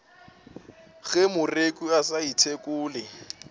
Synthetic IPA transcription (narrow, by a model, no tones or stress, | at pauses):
ɣɛmʊrekʼuasaitʰekʼʊːlɪ